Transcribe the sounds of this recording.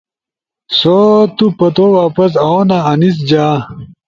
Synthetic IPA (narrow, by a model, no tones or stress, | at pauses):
sot̪upɐt̪owaːpɐs̬aonaɐnis̬d͡ʑaː